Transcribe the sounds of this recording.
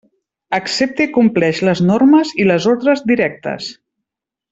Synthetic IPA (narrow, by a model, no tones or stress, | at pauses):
əksep̚t̪ikumplɛʃləznorməziləzoɾðɾəzd̪iɾɛk̚t̪ə̰s